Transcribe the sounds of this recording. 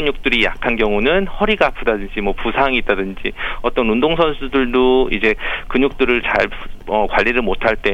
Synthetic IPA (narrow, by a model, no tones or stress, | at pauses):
ɯɲuk̚t͈ɯɾijakʰanɡjʌŋunɯnhʌɾiɡapʰudadɯnd͡ʑimwʌpusʰaŋit̚t͈adɯnd͡ʑiʌt͈ʌnundoŋsʰʌnsʰudɯɭdoid͡ʑe̞kɯɲuk̚t͈ɯɾɯɭt͡ɕaɭʌkwaʎːiɾɯɭmotʰaɭt͈e̞